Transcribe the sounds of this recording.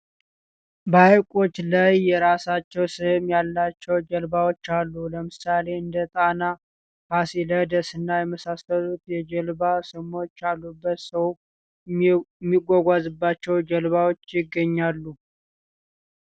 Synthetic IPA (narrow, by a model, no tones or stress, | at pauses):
bəajkʼo̞t͡ʃːlajːɛɾasat͡ʃːɛwsɨmjalːat͡ʃːɛwd͡ʒəlbawo̞t͡ʃːalːuləmɨsale̞ɨnd̪ət̪ʼana | fasiləd̪əsɨnːajɛməsasəlut̪jɛd͡ʒəlbasɨmo̞t͡ʃːalːubːət̪səw | mːiɡʷaɡʷazɨbːat͡ʃːɛwd͡ʒəlβawo̞t͡ʃːjɪɡːəɲːalːu